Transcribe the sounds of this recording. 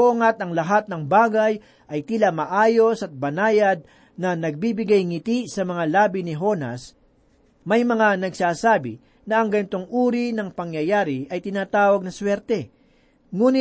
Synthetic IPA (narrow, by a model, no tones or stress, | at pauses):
oŋɐt̪ɐŋlɐɦat̪̚nɐŋbaːɡɐj | ʔɐjt̪ilɐmɐʔaːjo̞sɐt̪̚bɐnaːjɐd̪̚ | nɐnɐɡ̚bibɪɡajŋɪt̪isɐmɐŋalaːbɪnɪɦo̞nɐ̰s | mɐjmɐŋanɐɡsaːsaːbɪ | nɐɐŋɡɐnɪt̪o̞ŋʔuːɾinɐŋpɐŋjɐjaːɾɪʔɐjt̪ɪnaːt̪aːwɐɡ̚nɐswɛɾt̪ɛ | ŋuːnɪ